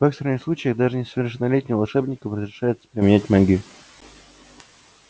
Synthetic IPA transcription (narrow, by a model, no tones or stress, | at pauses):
v̥ɛkst̪əɾnʲəxsˠut͡ɕɪjəɣd̪aʐɨnʲɪsəvʲɪrʂɨnɐlʲetʲnʲɪjəlˠɐʂɛbnʲɪkəɾəzʲɾʲɪʂajɪt̪sə̥pɾʲɪmʲɪnʲætʲmaɡʲɪ